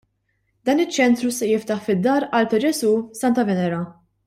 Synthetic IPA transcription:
d̪ɐːnɪt͡ʃːɛnt̪ɾusɛjɪft̪ɐħfɪd̪ːɐːɾɐlt̪ɛd͡ʒɛsusɐnt̪ɐvɛnɛɾɐ

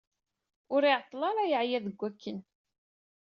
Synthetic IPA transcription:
ʊɾiʕt̪ˤːlɑɾˤæjəʕjæðəɡʷːækːən

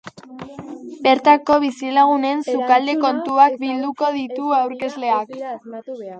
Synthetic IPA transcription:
be̞ɾt̪ako̞β̞isilaɣ̞une̞nsukald̪e̞ko̞nt̪uak̚bild̪uko̞ðit̪uawɾke̞zle̞ak

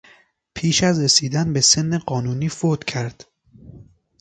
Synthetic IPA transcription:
pʰiːʃæzɾesiːd̪ænbese̞nːeɢɒːnuːniːfod̪cʲʰæɾd̪̥

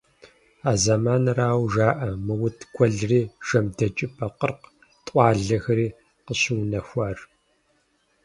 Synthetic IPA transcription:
aːzɐmaːnraːwʒaːʔɐmɨwʊtʰɡʷɔɮriːʒ̥ɐmdɐt͡ʃʼɪpʰɐqərq | tʼʷɑːɮɐxɐɾiː | qəɕɪwnɐxʷaːr

